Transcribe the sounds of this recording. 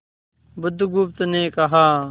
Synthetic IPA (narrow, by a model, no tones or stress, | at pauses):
bʊd̪ʱɡʊp̚t̪nẽːkɐɦaː